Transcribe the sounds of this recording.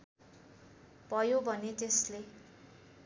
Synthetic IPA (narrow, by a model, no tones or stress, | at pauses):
bʱʌjobʱʌnet̪esle